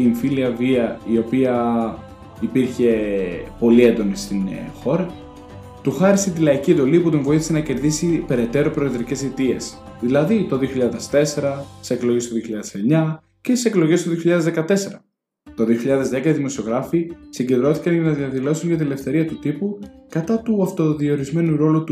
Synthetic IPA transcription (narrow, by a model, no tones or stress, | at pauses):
iɱfiliɐviɐio̞piɐ | ipiɾçe̞po̞liend̪onist̪inxo̞ɾɐ | t̪uxɐɾiset̪ilɐiciend̪o̞liput̪oɱvo̞iθi̥se̞nɐce̞ɾðisipe̞ɾe̞t̪e̞ɾo̞pɾo̞eðɾice̞sit̪ie̞̰s | ðilɐðit̪o̞ðio̞çiʎɐðe̞st̪e̞se̞ɾɐtt̪i̥seklo̞jʝest̪oðio̞çiʎɐðese̞ɲɐ | cet̪iseklo̞ʝe̞st̪o̞ðioçiʎɐðezðekɐt̪e̞se̞ɾɐ | t̪o̞ðio̞çiʎɐðe̞zðe̞kɐiðimo̞sio̞ɣɾɐfisiɲɟe̞nd̪ɾo̞θi̥kɐnʝɐnɐðiɐðilo̞suɲʝɐt̪inelefθe̞ɾiɐt̪ut̪ipukɐt̪ɐt̪uɐft̪o̞ðio̞ɾizme̞nuɾo̞lut̪